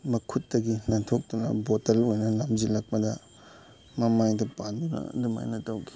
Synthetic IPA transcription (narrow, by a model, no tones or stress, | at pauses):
mɐkʰutːɐɡinɐtʰok̚tunɐ̰botɐlojnɐlamzilɐk̚pɐdɐ | mɐmajdɐpandunɐ̰duma̰jnɐtɐwkʰi̥